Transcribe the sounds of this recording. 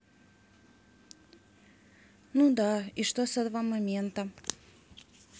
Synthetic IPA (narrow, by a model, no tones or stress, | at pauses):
nud̪aiʂt̪osɐd̪vamɐmʲent̪ə